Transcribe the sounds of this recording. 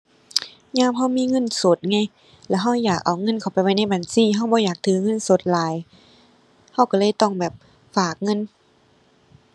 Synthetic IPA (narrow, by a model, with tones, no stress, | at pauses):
ɲaː˧˥˨mɦa˧˥˩wmiː˧˥˨ŋɤ˧˥˨nso˨˦t̪̚ŋa˧˨j | lɛ˧˩wɦa˧˥˩wjaː˨˩k̚ʔa˨˩wŋɤ˧˥˨nkʰa˨˩wpa˨jwa˧˩jna˧˥˩baː˨nsiː˧˥˨ɦa˧˥˨wbɔː˧˦jaː˨˩k̚t̪ʰɯː˨˦ŋɤ˧˥˨nso˨˦t̪̚laː˨˦j | ha˧˩wka˧˩lɤː˧˥˨jt̪ɔ˧˥˨ŋbɛː˨˩p̚ | faː˨˩k̚ŋɤ˧˥˨n